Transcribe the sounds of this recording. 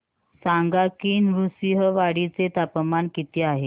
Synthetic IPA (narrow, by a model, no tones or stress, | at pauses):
saŋɡakiːnʋusiɦəʋaɽit͡set̪apəmaɳkit̪iaɦe